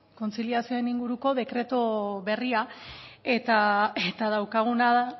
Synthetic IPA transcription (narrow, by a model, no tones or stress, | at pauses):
ko̞nt͡siliasio̞eniŋɡuɾuko̞ðe̞kɾe̞t̪oβe̞riae̞t̪aet̪að̞awkaɣ̞unaða